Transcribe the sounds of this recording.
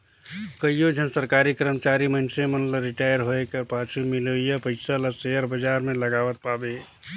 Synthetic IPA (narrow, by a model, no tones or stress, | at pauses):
kəijod͡ʒʱənsəɾkaɾikɾəmət͡ʃaɾimənsemənləɾiʈajəɾɦoekepat͡ʃʰumiləjapəɪsaləseəɾbəd͡ʒaɾmeləɡaʋət̪̚pabe